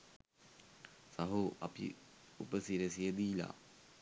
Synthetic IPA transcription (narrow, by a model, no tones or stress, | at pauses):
saɦuʔɐpḭupəsiɾəsijəd̪iːla̰